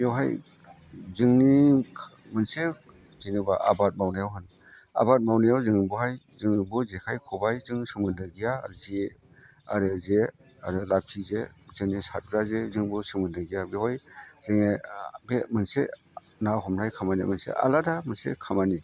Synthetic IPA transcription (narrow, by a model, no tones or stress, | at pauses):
jawɦaj | zɯŋnikʰ | mɯnse | zinubaʔa̰bat̚mawnajawɦɯn | a̰bat̚mawnajawzɯŋbuɦaj | zɯŋbuzekʰajkʰɔbajzɯŋsɯmɯndɯɡijaɾze | aɾɯze | aɾɯlap̚ʰizezɯŋnisat̚ɡɾazezɯŋbusɯmɯndɯɡijabehɔjz̥eŋebemɯnsḛ | naɦɔmɾajkʰamanimɯnsḛʔa̰ladamɯnsḛkʰamani